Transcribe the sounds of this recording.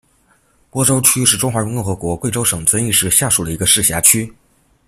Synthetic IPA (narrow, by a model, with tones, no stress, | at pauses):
pwɔ˥ʈ͡ʂo˥ʊt͡ɕʰy˥ʂɻ̩˥˩ʈ͡ʂʊ˥ŋxwa˧˥ɻŋkʊ˥˩ŋxɤ˧˥kwɔ˧˥kwe˥˩ɪo˥ʊʂɤ˨˩ŋt͡sə˥ni˥˧ʂɻ̩˥˧ɕja˥˩ʂu˨˩d̪ə˦i˧˥ɡə˧ʂɻ̩˥˩ɕja˧˥t͡ɕʰy˥